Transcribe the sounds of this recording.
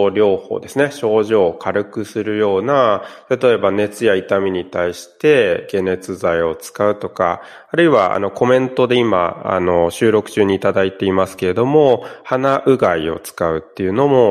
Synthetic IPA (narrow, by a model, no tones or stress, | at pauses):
ɾʲo̞ːho̞̰ːd̪e̞sɨne̞ɕo̞ːʑo̞ːkʰaɾɯ̟kɯ̟sɨɾɯ̟jo̞ːnat̪at̪o̞e̞bane̞t͡sɨjait̪amʲiɲ̟it̪aiɕi̥t̪e̞ɡe̞ne̞t͡sɨzaio̞t͡sɨ̥kaɯ̟t̪o̞ka̰ː | ɾɯ̟iβaa̰no̞ko̞mẽ̞nt̪o̞d̪e̞ima̰a̰no̞ɕɨːɾo̞kɯ̟̥t͡ɕɨːɲ̟iːt̪ad̪ait̪e̞imasɨ̥ke̞ɾe̞d̪o̞mo̞hanaʔɯ̟ɡaio̞̰t͡sɨ̥kaɯ̟t̪ːe̞jɯ̟no̞mo̞